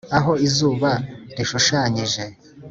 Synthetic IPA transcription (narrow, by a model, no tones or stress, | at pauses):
aɦo̞izuːβaɾiʃuʃaɲiʒe̞